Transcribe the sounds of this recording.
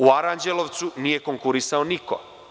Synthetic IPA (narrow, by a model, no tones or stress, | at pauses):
uaɾand͡ʒelo̞ʋt̪sunije̞koŋkuɾisaoniko̞̰